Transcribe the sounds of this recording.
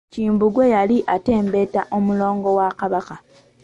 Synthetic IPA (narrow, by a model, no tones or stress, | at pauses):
ciːmbuɡwe̞jaliʔate̞ːmbe̞taʔo̞mulo̞ːŋɡo̞wakaβaka